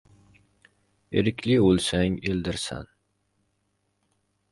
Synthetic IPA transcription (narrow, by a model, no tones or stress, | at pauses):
eɾɪkʲʰlɪolˠsɛŋeld̪ɪɾsæ̰n